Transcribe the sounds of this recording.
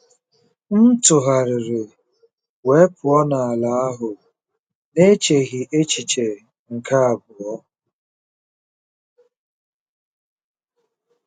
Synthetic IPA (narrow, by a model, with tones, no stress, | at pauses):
n̩˦tʊ˨ɦa˨ɾɪ˨ɾɪ˨ | we˨˦pʰʊ˨ɔ˦na˨a˨la˨˦a˦ɦʊ˨ | ne˦t͡ʃe˨ɣi˨ʔe˦t͡ʃi˨t͡ʃe˨ | ŋ̩˨ka˦a˨bʊ˨ɔ˦